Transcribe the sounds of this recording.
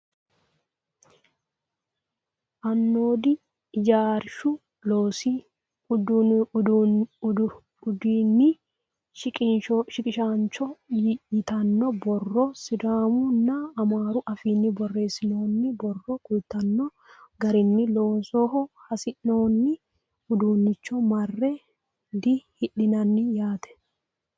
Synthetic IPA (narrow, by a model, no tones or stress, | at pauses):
ʔɐnːoːd̪ɪ | d͡ʒaːɾʃʊ | loːsi | ʊd̪d̪ | ʊd̪iːnːɪ | ʃɪkʼɪnʃɔʃɪkʼɪʃant͡ʃɔjɪɪt̪ɐnːɔbɔrːɔsɪd̪aːmʊnːɐɐmaːɾʊʔɐfiːnːɪbɔrːe̞ːsɪno̞ːnːɪbɔrːɔkʼʊjt̪ːɐnːɔ | ɡɐɾɪnːɪloːsoːɦɔhɐsɪnːoːnːɪ | ʊd̪uːnːɪt͡ʃːɔmɐrːɛ | d̪ɪhɪɗɪnɐnːɪjaːt̪ɛ̥